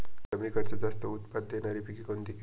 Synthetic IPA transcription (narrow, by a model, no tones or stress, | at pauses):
kɛmɾikat͡sad͡zast̪əut̪pad̪ːenaɾipikikond̪i